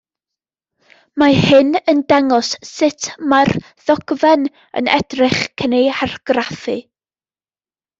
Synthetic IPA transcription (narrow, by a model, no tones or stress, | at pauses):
mahɨnəndaŋɔsːɪtʰmar | ð̥ɔɡ̥vɛn | ə̰nɛ̰drɪχkʰənejarɡ̥raθɨ